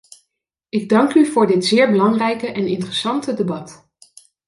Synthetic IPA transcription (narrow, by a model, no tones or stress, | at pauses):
ɪɡ̚dɑŋkyvʊːɹdɪtzɪːɹbəlɑŋrɛjkəʔɛnɪntrəsɑntədebɑt